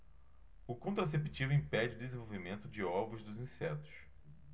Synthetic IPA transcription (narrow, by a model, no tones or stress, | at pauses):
ʊkõnt̪ɾas̬epit͡ʃivʊĩpɛd͡ʒɪʊd̪ezẽvowvimẽnt̪ʊd͡ʒɪɔvʊzd̪ʊzĩsɛt̪ʊ̥s